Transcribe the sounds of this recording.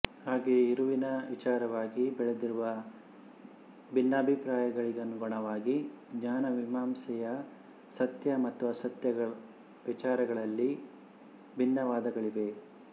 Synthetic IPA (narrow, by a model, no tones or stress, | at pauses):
haːɡeːiɾuʋinɐʋit͡ʃaːɾɐʋaːɡibɛɭed̪iɾuʋɐ | bʱinːɐːbʱipɾaːjɐɡɐɭiɡɐnːuɡɔɳɐʋaːɡiɡɲaːnɐʋimaːmsɛjɐ | sɐt̪jɐmɐt̪ːuɐsɐt̪jɐɐ | ʋit͡ʃaːɾɐɡɐɭɐlːi | bʱinːɐʋaːd̪ɐɡɐɭiʋe̞